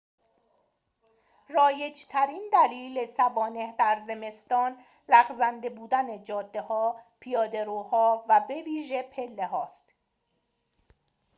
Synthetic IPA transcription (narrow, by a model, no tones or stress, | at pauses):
rɒːje̞d͡ʒt̪ʰæɾind̪æliːlesævɒːne̞hd̪æɾze̞me̞st̪ɒːn | læɣzænd̪e̞buːd̪æned͡ʒɒːd̪ːe̞hɒːpʰijɒːd̪e̞ɾuːhɒːvæbe̞viːʒe̞pʰe̞lːe̞ɦɒːst̪